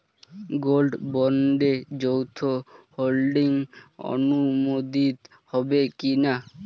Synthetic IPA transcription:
ɡolɖbɔɳɖed͡ʑowt̪ʰoholɖiŋo̰numod̪it̪ | hɔbekina

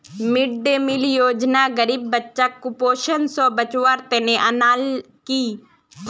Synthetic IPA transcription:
mɪɖ̚d̪eːmɪlijoːd͡ʒnaːɡəɾiːbːətːʃaːkupoːʃənsɔ̃ːbət͡ʃwaːɾt̪ɛːnẽʔənaːl | kiː

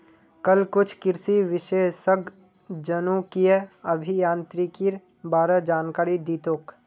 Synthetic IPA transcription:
kɐlkʊt͡ʃʰkɪɾsiʋɪʃeːsəɡ | d͡ʒənũkieɐbʱijãːnt̪ɾikiɾ | baːɾəd͡ʒaːnkaːɾid̪iːt̪oːk

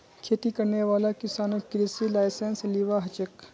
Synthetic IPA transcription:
kʰeːt̪ikɐɾneʋaːlakɪsaːnokɪɾɪsilaːɪsensliːʋaɦɐt͡ʃək

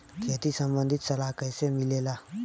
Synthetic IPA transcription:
kʰeːt̪isə̃mbə̃nd̪ʱɪt̪səlakəjsemɪleːlaː

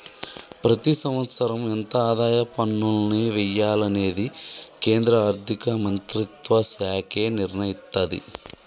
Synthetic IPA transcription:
pɾɐt̪isɐmʋɐt̪sɐɾɐment̪ɐaːd̪aːjɐpɐnːulɐniːʋɛjaːlɐne̞ːd̪ike̞ːnd̪ɾɐaːɾd̪ʱikɐmɐnt̪ɾit̪ʋɐsjaːkʰe̞ːniɾɳɐjist̪ɐd̪ḭ

